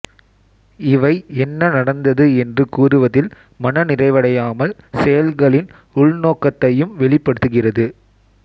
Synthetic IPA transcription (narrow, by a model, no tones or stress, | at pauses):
ɪʋɐɪɛnːɐnɐɽɐnd̪ɐðɯɛndrɯkuːrɯʋɐðɪl | mɐnɐnɪrɐɪʋɐɽɐjaːmɐlsɛjɐlɣɐɭɪn | ʊɭnoːkːɐt̪ːɐjɯmʋɛɭɪpːɐɽɯt̪ːɯɣɪrɐðɯ